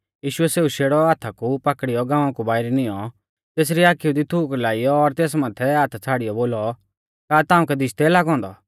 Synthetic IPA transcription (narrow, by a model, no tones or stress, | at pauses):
jiːʃʊɛseːuʃeːɽɔaːt̪ʰakupɐkɽɪjɔɡãːʋãkubaːɪɾɛnɪ̃jɔ | t̪eːs̬ɾiaːkiud̪it̪ʰuːklaːijɔːɾt̪eːs̬mãːt̪ʰɛaːt̪ʰt͡sʰaːɽɪjɔboːlɔ | kaːt̪aːũkɛd̪ɪʃt̪ɛlaːɡɦɔ̃ːnd̪ɔ̰